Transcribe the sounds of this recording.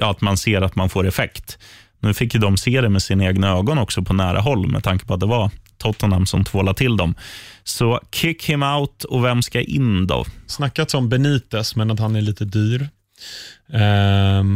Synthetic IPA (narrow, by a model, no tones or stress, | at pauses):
jɑːat̪manseːɾat̪manfoːɾɛfɛkt̪ | nʉ̟ːfɪkːjd̪ɔmseːd̪ɛmɛsɪnaeːɡnaøːɡɔnɔksɔpʰɔnæːɾʔa̰ɦɔlːmɛ̰d̪ʰaŋkə̥pʰɔat̪̚d̪ɛvat̪ʰɔt̪ːɔnamsɔmt̪ʰvoːlat̪ʰɪld̪ɔmsɔkʰɪkhɪmaʊt̪ɔvɛmskaʔɪ̰nd̪ɔ̰snakːat̪sɔmbɛniːt̪əsmɛnat̪hanæɭiːt̪əd̪yːɾ